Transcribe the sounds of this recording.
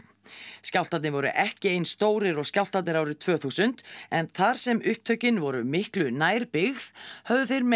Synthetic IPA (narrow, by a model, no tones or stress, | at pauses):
scawlt̪at̪nɪvɔɾʏ̰ʔɛhcɪejnst̪oːwɾɪɾɔɣskcawl̥t̪at̪nɪɾaːwɾɪt̪ʰv̥œːθusʏnt̪ɛnθaɾ̥sɛmʏhp̚t̪ʰœɥcɪnvɔɾʏmɪhklʏnaːjɾpɪɣðhœvðʏθeɾm